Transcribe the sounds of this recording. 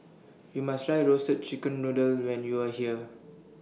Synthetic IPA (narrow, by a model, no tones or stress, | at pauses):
jumastɹajɹosət̚t͡ʃikə̃nːudəlwɛ̃njuahiə